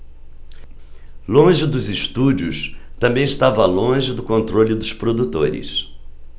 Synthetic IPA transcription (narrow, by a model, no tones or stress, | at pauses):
lõʒɪd̪ʊzɪʃt̪ud͡ʒiʊ̰st̪ɐ̃mbẽj̃ɪst̪avɐlõʒɪd̪ʊkõnt̪ɾolʲʊd̪ʊspɾod̪ut̪oɾɪ̰s